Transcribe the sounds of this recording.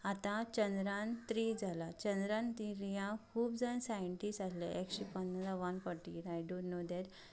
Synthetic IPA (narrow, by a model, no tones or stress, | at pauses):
at̪ãt͡ɕənd̪ɾãnt̪ɾid͡zʱalat͡ɕə̃nd̪ɾãnt̪iɾijãkʰuːb̚d͡zansajəɳʈisʈasleʔekɕipənːəɾaʋanfɔɾʈiɾajɖonːod̪ɛʈ